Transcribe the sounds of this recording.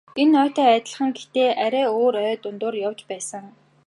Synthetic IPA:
enœːt̪œːæːt̪ə̆ɮχə̆ŋɡet̪eːʔæɾʲæːoːɾœːt̪ʊnt̪ʊːrjawt͡ɕpæːsə̆ŋ

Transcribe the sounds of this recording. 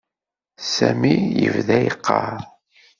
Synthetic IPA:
sæmijəvðæjəqʰːɑɾ

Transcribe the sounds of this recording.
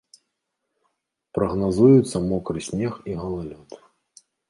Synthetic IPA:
pɾɐɣnazujut̪sːɐmɔkɾɨsʲnʲexiɣɐlˠalʲɔt̪

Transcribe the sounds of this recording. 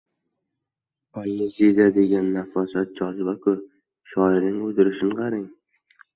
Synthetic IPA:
pʰajezid̪ad̪e̞ɡʲanːafɒsat̪̚d͡ʒɒzɪbakʰʊ | ʃɒɪɾnɪŋʊd̪ɪɾɪʃɪnqʰɑɾɪŋ

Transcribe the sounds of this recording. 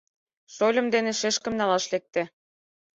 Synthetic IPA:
ʃolʲɤ̆md̪eneʃeʃkə̆mnɑlɑʃlek̚t̪ĕ

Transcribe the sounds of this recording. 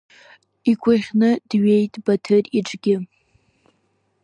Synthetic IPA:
ikʷʰʼaχʲnɨdɥejtʼbatʰɨriʈ͡ʂʼɡʲɪ

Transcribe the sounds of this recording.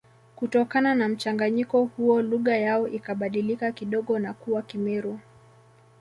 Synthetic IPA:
kutɔkananam̩t͡ʃaŋɡaɲikɔhuɔluɣajaɔʔikaɓaɗilikakiɗɔɠɔnakuwakimɛɾu

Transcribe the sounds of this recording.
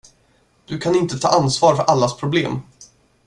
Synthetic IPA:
d̪̥ɵkʰanɪnt̪ət̪ʰɑ̰ːʔansvɑːɾfœɾʔalːaspʰɾʊbleːm

